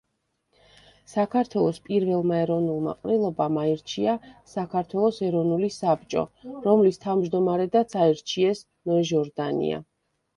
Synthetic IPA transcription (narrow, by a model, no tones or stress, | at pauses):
sakʰaɾt̪ʰwɛlˠɔspʼiɾvɛlˠmaɛɾɔvnulˠma̰qʼɾilˠɔbamaiɾt͡ʃʰiasakʰaɾt̪ʰwɛlˠɔsɛɾɔvnulisap̚t͡ʃʼɔ̰ɾɔmlist̪ʰavmd͡ʒd̪ɔmaɾɛd̪at̪sʰaiɾt͡ʃʰiɛs | nɛʒɔɾd̪anḭa̰